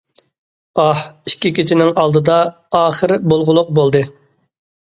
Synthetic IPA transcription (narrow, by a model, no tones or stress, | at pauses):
ɑhi̥ʃkʲikʲit͡ʃʰinɪŋɑlˠd̪ɨd̪ɑːχəɾbolˠʁʊlˠʊq̚bolˠd̪ɨ